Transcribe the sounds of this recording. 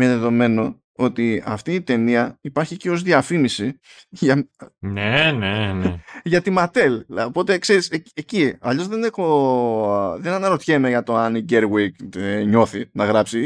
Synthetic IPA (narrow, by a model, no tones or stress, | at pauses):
meðeðo̞me̞no̞ | o̞t̪iɐ̰ft̪iːt̪e̞niɐipɐɾçiceo̞zðiɐfimisiʝɐnenenʝɐt̪imɐt̪e̞lopo̞t̪ekse̞ɾiseeciɐʎo̞zðe̞nexo | ðenɐnɐɾo̞t̪çe̞me̞ʝɐt̪o̞ɐniɟeɾɣwikɲo̞θinɐɣɾɐpsi